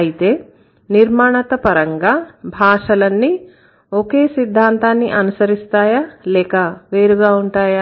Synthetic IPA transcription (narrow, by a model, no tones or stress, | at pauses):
ɐjit̪e̞ː | niɾmaːɳɐt̪ɐpɐɾɐŋɡaːbʱaːʂɐlɐnːi | okeːsid̪ʱːaːnt̪aːnːiʔɐnusɐɾist̪aːjaːlɛːkɐʋeːɾuɡaːuɳʈaːja